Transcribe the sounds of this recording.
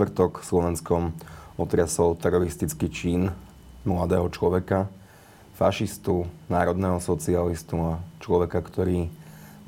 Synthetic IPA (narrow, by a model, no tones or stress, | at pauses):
ʋr̩t̪ɔkslɔʋɛnskɔmɔt̪ɾɪasɔʊt̪ɛɾɔɾist̪it͡skit͡ʃiːn | mlad̪ɛːɦɔt͡ʃlɔʋɛka | faʃist̪unaːɾɔd̪nɛːɦɔsɔt͡sialist̪uat͡ʃlɔʋɛkakt̪ɔɾiː